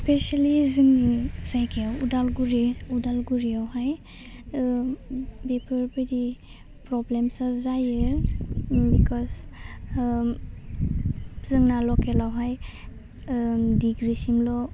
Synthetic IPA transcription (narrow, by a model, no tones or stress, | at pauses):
spʰɛʃalizɯŋniz̥ajkʰeawudalɡuɾiudalɡuɾiawhaj | bepʰɯɾbeɾi | pɾɔblemsazajɯ | bikʰɔz | zɨŋnalɔkʰɛlawɦaj | diɡɾisimlɔ